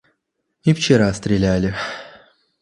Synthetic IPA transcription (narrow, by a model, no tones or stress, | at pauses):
ɪft͡ɕɪɾast̪ɾʲɪlʲælʲɪ